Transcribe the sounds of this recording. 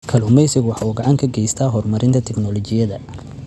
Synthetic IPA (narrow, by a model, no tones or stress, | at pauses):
kʰɐlʊmɛjsɪɡwɑħɑuːɡɑʕɑŋkʰɐɡɛjst̪ʰaːɦɔrmɐɾɪnt̪ʰɐt̪ʰɛknɔlɔt͡ʃɪjɐðɐ